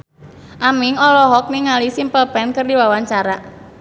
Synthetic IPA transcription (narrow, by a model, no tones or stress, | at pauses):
ʔamiŋɔlɔɦɔk̚niŋalisimpəlpɛnkərdiwawaɲt͡ʃaɾa